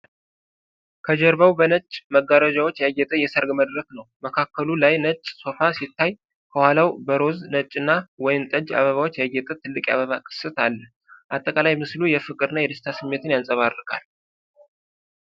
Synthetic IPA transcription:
kʰəd͡ʒɛɾbawbənət͡ʃʼməɡːaɾad͡ʒawo̞t͡ʃːjaɡɛt̪ʼəjɛsəɾɡməd̪ɾəknəwməkʰakːəlulajnət͡ʃʼso̞fasit̪ːaj | kʰəhwalawbəɾo̞znət͡ʃʼɨnːawɔjɪmt̪ʼəd͡ʒa̰βəβawo̞t͡ʃːjaɡɛt̪ʼət̪ʰɨlːɨkʼja̰βəβakʼɨ̥sɨt̪alːə | ʔat̪ʼːəkʼalajmɨslujɛfɨkʼɨɾɨnːajɛd̪ɨst̪ʰasɨmːet̪ʰɨnjansʼəβaɾɨkʼal

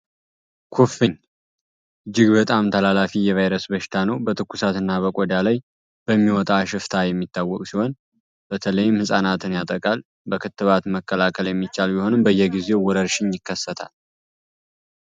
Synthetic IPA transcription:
kʰofin | ʔɨd͡ʒːɪɡbət̪ʼamt̪ʰəlalafijɛvajɾəsbəʃɪ̥t̪ʰanəwbət̪ʰɨkːusat̪ɨnːaβəkʼɔd̪alaj | b̥əmːiwɔt̪ʼaʃɪft̪ʰajɛmːit̪ʰːawːɔkʼsiho̞n | b̥ət̪ʰələjːɪmhɨsʼanat̪ʰɨnjat̪ʼəkʼal | bəkʰɨt̪ːɨβat̪məkːəlakʰəljɛmːit͡ʃːalbiho̞nɨmbəjːɛɡize̞wwɔɾəɾʃɪnjɪkːəsːət̪ʰa̰l

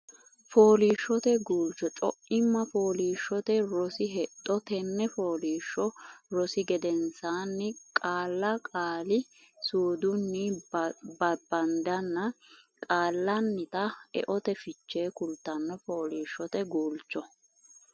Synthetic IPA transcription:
foːliːʃːɔt̪ɛɡuːlt͡ʃːɔt͡ʃʼɔ̰ʔɪmːɐfo̞ːliːʃːɔt̪ɛɾɔsɪɦɛt̪ʼːɔt̪ɛnːɛfoːliːʃːɔɾɔsɪɡɛd̪ɛnsaːnːɪkʼaːlːɐkʼaːlɪ | suːd̪ʊnːɪ | bɐbɐnd̪ɐnːɐ | kʼaːlːɐnːɪt̪ɐɛ̰ʔɔt̪ɛfɪt͡ʃːe̞ːkʊlt̪ːɐnːɔfoːliːʃːɔt̪ɛɡuːlt͡ʃːɔ

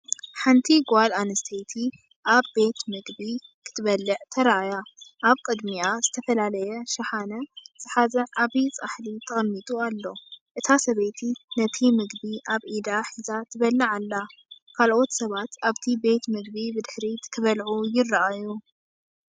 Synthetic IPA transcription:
ħant̪ʰiɡalanɨst̪ʰejt̪ʰi | ʔaβːe̞t̪mɨɡbikʰɨ̥t̪ʰɨβɐlːɨʕt̪ʰɐɾaajaʔaβkʼɨd̪miazɨt̪ʰɐfɐlalɐjɛʃɐħanɐz̥ɨħazɐʔaβit͡sʼaħlit̪ʰɐxʼmːit̪ʼualːo̞ʔɨt̪ʰasɐβet̪ʰinɐt̪ʰimɨɡbiʔaβʔid̪aħizat̪ʰɨβɐlːɐʕalːakʰalʔo̞t̪sɐβat̪aβt̪ʰibe̞t̪mɨɡ̚bibɨd̪ɨħɾit̪ʰɨβɐlʕujɪrːɐʔaju

